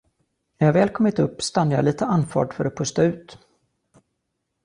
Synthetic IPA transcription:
næɾhavɛːlkʰɔmːɪt̪ɵpːst̪anːəjɑ̰ːliːt̪əanːfɑ̰ːɖfœɾat̪̚pʰɵst̪aʉ̟ːt̪

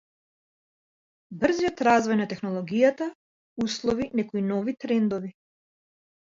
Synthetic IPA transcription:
br̩ziɔt̪ɾazvɔjnat̪ɛxnɔlˠɔɡijat̪a | uslˠɔvinɛkɔinɔvit̪ɾɛnd̪ɔvi

